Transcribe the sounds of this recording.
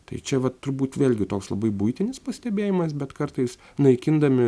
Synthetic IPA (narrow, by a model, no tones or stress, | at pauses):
t̪ɐɪt͡ʃʲɛʋɐt̪ːʊɾbuːt̪ʋʲeːlʲɡʲɪt̪oːkslˠɐbɐɪbʊɪt̪ʲɪnʲɪspɐsʲt̪ʲɛbʲeːjɪmɐs̬bʲɛt̪kɐrt̪ɐɪs | nɐɪkʲɪnd̪ɐmʲɪ